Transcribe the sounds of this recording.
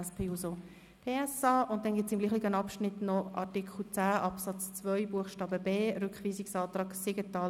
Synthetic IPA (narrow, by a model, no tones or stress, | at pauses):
ɛspʰeːuso | pʰeːɛsɑːʔʊnt̚dɛnɡɪtt͡sɪmɡliːχiɡənɑpʃnɪtnɔʔɑ̰ɾtikχl̩t͡sæːʔɑpsɑt͡st͡svœʏbuəχʃtɑːbəbeːrʏkχʋiːsiksɑːt̪rɑːɡ̥seɡətɑː